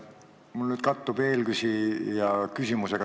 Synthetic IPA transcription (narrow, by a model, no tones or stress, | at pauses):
mulnyːd̪̥̚kɑt̪ːub̥e̞ːlɡ̥ysijɑkysʲimuseɡ̥ɑ